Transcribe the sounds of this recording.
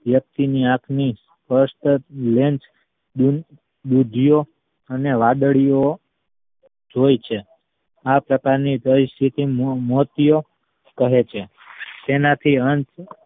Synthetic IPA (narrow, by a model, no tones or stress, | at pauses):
ʋjək̚t̪iniãkʰnis | pəɾsʈlent͡ʃ | ɗ̪ud̪ʱijo | əneʋad̪əɭijo | d͡ʒojt͡ʃʰe | apɾəkaɾnipəɾist̪ʰit̪immot̪ijo | kəɦet͡ʃʰe | t̪enat̪ʰiənt͡ʃ